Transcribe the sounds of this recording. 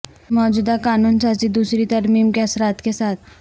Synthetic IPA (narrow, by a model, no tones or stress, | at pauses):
mɔːd͡ʑuːd̪akanuːnsat͡ɕid̪uːsɾit̪əɾmiːmkɛsɾat̪kesat̪ʰ